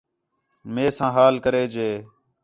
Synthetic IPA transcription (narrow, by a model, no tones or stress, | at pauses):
meːsãːɦaːlkəɾeːd͡ʒeː